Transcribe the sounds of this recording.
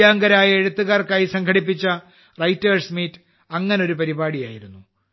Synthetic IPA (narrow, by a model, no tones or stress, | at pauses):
jaːŋɡɐɾaːjɐeɻut̪ːuɣaːrkaːjisɐŋkʰɐɽip̬ːit͡ɕːɐ | rɐjtːɐːrsmiːtː | ɐŋːɐneo̞ɾupɐɾibaːɽija̰ːjiɾunːu